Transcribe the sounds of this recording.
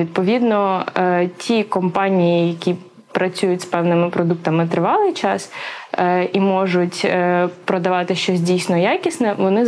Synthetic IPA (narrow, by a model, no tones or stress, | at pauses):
id̪̚pɔʋʲid̪nɔ | tʲʰikɔmpɑnʲijijɐkʲi | pɾɐt͡sʲujʊtʲspɛwnɪmɪpɾɔd̪uk̚t̪ɐmɪt̪ɾɪʋɑlˠɪjt͡ʃɑs | imɔʒʊtʲːpɾɔd̪ɐʋɑt̪ɪʃt͡ʃɔsʲdʲijsnɔjakʲisnɛʋɔnɪ